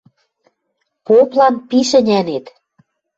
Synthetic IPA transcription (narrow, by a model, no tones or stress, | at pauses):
poplɑnpiʃɘ̆nʲænet̪